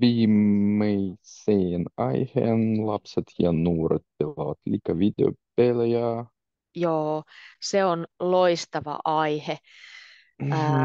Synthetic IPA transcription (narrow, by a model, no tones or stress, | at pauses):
ʋiːmːejseːnɑjhḛːnlɑpset̪jɑnuːɾet̪ːelɑʋɑt̪lʲikɑʋid̪ʲḛo̰pːeljɑ | joːseonloist̪ɑʋɑ̰ʔɑihe